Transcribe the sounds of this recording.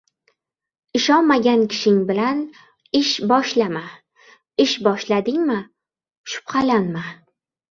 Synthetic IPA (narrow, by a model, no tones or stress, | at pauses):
ɪʃɒnmaɡʲankʲʰɪ̥ʃɪŋbɪlan | ɪʃbɒʃlama | ɪʃbɒʃlad̪ɪŋmɪ | ʃʊ̥pχalanma